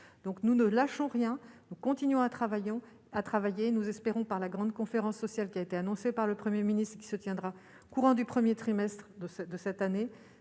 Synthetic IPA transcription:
d̪̥ɔ̃knunəlaʃɔ̃ʁjɛ̃nukɔ̃t̪inɥɔ̃at̪χavajɔ̃ | at̪χavajenuzɛspeʁɔ̃paʁlaɡʁɑ̃d̪kɔ̃feʁɑ̃sːɔsjalkʲiaet̪eanɔ̃sepaʁləpχəmjeminist̪χkʲi̥sət̪jɛ̃d̪ʁa | kuʁɑ̃d̪ypχəmjet̪χimɛst̪χd̪əsɛd̪əsɛt̪ane

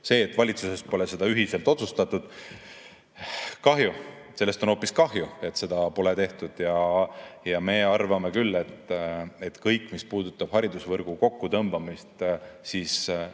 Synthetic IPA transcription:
se̞ːt̪ːˑvɑlʲit̪suse̞st̪po̞le̞se̞d̪ɑyɦise̞lt̪ˑo̞t̪sust̪ɑt̪ːˑud̪̥ | kɑɦju | se̞lːest̪ono̞ːpːˑiskɑɦjue̞t̪se̞d̪̥ɑpo̞let̪e̞ht̪ud̪̥jɑ | jɑme̞ɑrvɑme̞kylːe̞t̪et̪kɤjkːˑmispuːd̪̥ut̪ːˑɑb̥hɑɾid̪usvɤrɡ̥uko̞kːut̪ɤmb̥ɑmist̪siːs

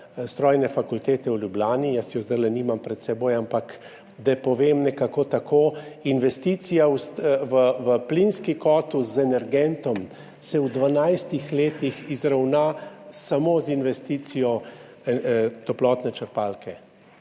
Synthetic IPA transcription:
st̪ɾɔːjnɛfakult̪eːt̪ɛwlʲjublʲaːnijasɛjɔzd̪ajlɛniːmampɾɛt̪sɛboːjampak | d̪apɔʋeːmnɛkakot̪akʰoːinʋɛst̪it̪sijawsʋəʋəplinskikɔːt̪uszɛnɛɾɡɛnt̪ɔm | sɛwd̪ʋanajst̪ixleːt̪ixizɾawnasamoːzinʋɛst̪iːt̪sijɔ | t̪ɔplɔt̪nɛt͡ʃəɾpaːlkʰɛ

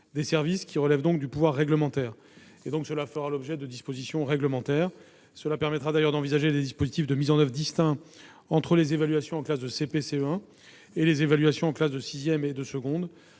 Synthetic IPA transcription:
d̪esɛʁviskʲiʁəlɛvd̪ɔ̃k̚d̪ypuvwaʁːɛɡləmɑ̃t̪ɛːʁ | ed̪ɔ̃ksəlafəʁalɔbʒɛd̪əd̪ispozisjɔ̃ʁɛɡləmɑ̃t̪ɛʁ | səlapɛʁmɛt̪χad̪ajœʁd̪ɑ̃vizaʒed̪ed̪ispozit̪ifd̪əmizɑ̃nœvʁəd̪ist̪ɛ̃ | ɑ̃t̪χəlezevalɥasjɔ̃ɑ̃klasd̪əsepeseøɛ̃ | elezevalɥasjɔ̃ɑ̃klasd̪əsizjɛmed̪əsəɡɔ̃d̪

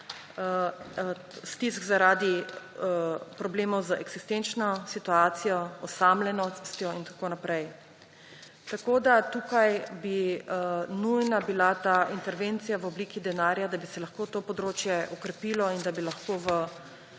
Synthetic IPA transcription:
st̪isɡzaɾaːd̪i | pɾɔbleːmɔwzəɛɡz̥ist̪ent͡ʃnɔsit̪uaːt̪sijɔɔsamlɛnɔst̪jɔint̪ḁkoːnapɾɛj | t̪akoːd̪at̪uːkajbi | nujnabilat̪aːint̪ɛɾʋeːnt̪sijaʋɔbliːkid̪ɛnaːɾjad̪abisɛlaxkoːt̪oːpɔd̪ɾoːt͡ʃjɛɔkɾɛpilɔind̪abilaxkoːʋə

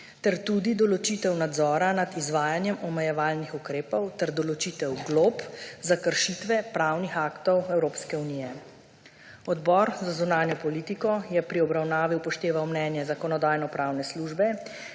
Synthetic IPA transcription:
t̪ɛɾt̪uːd̪id̪ɔlɔt͡ʃit̪ɛwnad̪zɔːɾanad̪izʋaːjanjɛmɔmɛjɛʋaːlnixukɾeːpɔwt̪ɛɾd̪ɔlɔt͡ʃiːt̪ɛwɡlopzakəɾʃit̪ʋɛpɾawnixaːkt̪ɔwɛwɾoːpskɛuniːjɛ | ɔd̪bɔːɾzazunaːnjɔpɔliːt̪ikɔjɛpɾiɔbɾawnaːʋiwpɔʃt̪eːʋawmnɛːnjɛzakɔnɔd̪aːjnɔpɾawnɛsluʒbɛ

